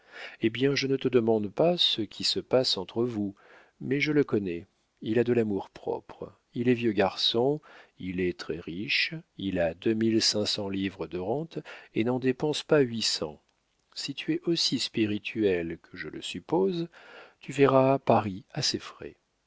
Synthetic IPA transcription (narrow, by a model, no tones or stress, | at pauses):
ebjɛ̃ʒənət̪əd̪əmɑ̃d̪pasəkʲʰisəpasɑ̃t̪χəvu | mɛʒələkɔnɛ | ilad̪əlamuʁpχɔ̰pχ | ilɛvjøɡaʁsɔ̃ilɛt̪χɛʁiʃilad̪əmilsɛ̃sɑ̃livʁəd̪əʁɑ̃t̪enɑ̃d̪epɑ̃spaɥisɑ̰̃ | sit̪ʰyɛʔosispiʁit̪ʰyɛlkʰəʒəlʔə̰sypozt̪ʰyvɛʁapaʁiasefʁɛ̰